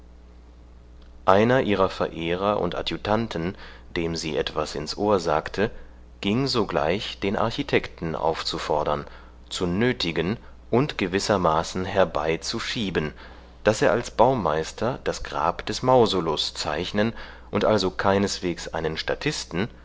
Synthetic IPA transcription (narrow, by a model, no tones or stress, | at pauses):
ʔaɪnɐʔiːʁɐfɛɐʔeːʁ̞ɐʔʊ̰ntʔa̰tjutʰantʰn̩ | d̥eːmzḭːʔɛtv̥asɪ̰nsʔoːɐzaːktʰə | ɡ̥ɪŋzoɡla̰ɪçd̥eːnʔa̰ɐçitʰɛktn̩ʔa̰ʊft͡sufɔɐdɐn | t͡sunøːtʰɪɡən | ʔʊntɡ̥əvɪsɐmaːsn̩hɛɐba̰ɪt͡suʃiːbən | d̥aseːɐalsb̥aʊmaɪstʰɐd̥asɡ̥ʁa̰ːpd̥ɛsmaʊzolʊst͡saɪçnən | ʔʊntʔalzokʰaɪnəsv̥eːksʔa̰ɪnənʃtatʰɪstn̩